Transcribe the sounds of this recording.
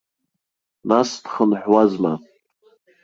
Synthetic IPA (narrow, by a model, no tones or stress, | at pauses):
nasdχənħwazma